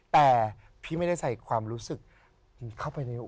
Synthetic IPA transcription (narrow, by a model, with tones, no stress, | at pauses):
t̪ɛː˨˩ | pʰiː˥˩ma˥˩jda˥˩jsa˨˩jkʰwaː˧mɾuː˦˥sɯ˨˩k̚ | kʰa˥˩wpa˧jna˧jʔ